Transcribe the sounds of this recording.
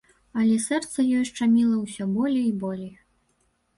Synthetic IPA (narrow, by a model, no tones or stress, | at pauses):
ɐlʲɛsɛrt̪sɐjɔjʂt͡ʂamʲilˠɐwsʲɔbɔlʲejibɔlʲej